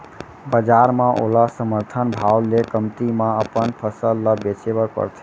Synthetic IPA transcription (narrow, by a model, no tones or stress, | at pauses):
bəd͡ʒaɾmãʔo̰lasəməɾt̪ʰənbʱawlekəmt̪imãəpənpʰəsəlːəbet͡ʃebəkə̰ɾt̪ʰɛ